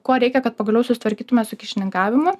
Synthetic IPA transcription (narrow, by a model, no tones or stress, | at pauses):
kuɔɾʲɛɪkʲɛkɐt̪̚pɐɡɐlʲɛʊsʊsʲɪ̥t̪ʋɐɾʲkʲiːt̪ʊmʲɛsʊkʲɪʃʲɪnʲɪŋkɑːʋʲɪmʊ